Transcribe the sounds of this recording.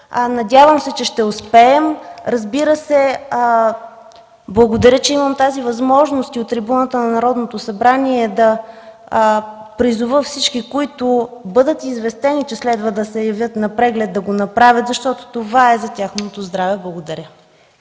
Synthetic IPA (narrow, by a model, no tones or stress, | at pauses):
nɐdʲavəmsɛt͡ʃɛʃt̪ɛʊspɛːmɾɐzbiɾəsɛ | blˠɐɡod̪ɐɾʲjət͡ʃɛiməmt̪azivɐzmɔʒnost̪iot̪ːɾibunət̪ənɐnɐɾɔd̪not̪osɐbɾaniɛd̪ɐ | pɾizʊvəfsit͡ʃkikoit̪ʊbɤd̪ət̪izvɛst̪ɛnit͡ʃɛslɛd̪vəd̪ɐsɛjɐvʲjət̪nɐpɾɛɡlɛd̪̚d̪ɐɡonɐpɾavʲət̪zɐʃt̪ɔt̪o̥t̪ovaɛzɐtʲaxnot̪ozd̪ɾavɛblˠɐɡod̪ɐɾʲə